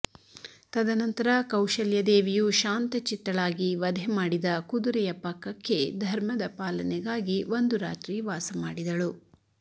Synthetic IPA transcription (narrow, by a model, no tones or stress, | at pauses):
t̪ɐd̪ɐnɐnt̪ɐɾɐkɐwʃɐljɐd̪eːʋijuʃaːnt̪ɐt͡ʃit̪ːɐɭaːɡiʋɐd̪ʱemaːɽid̪ɐkud̪uɾɛjɐpɐkːɐkːe̞d̪ʱɐɾmɐd̪ɐpaːlɐnɛɡaːɡiʋo̞nd̪uɾa̰ːt̪ɾiʋaːsɐmaːɽid̪ɐɭu